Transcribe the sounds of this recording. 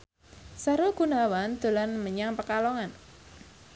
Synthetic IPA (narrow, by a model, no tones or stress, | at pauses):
saɾuɡ̥unawand̪̥o̤lanməɲaŋpəkalɔŋan